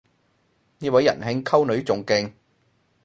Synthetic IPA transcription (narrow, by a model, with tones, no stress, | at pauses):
niː˥wɐ˨˥jːɐ̰˨˩nɦɪ˧ŋkʰɐ˥wnɵ˨˥ɥt͡sʊ˨ŋkɪ˧ŋ